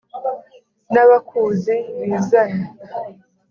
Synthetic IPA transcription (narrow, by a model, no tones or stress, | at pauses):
naβakʰuːziwizaja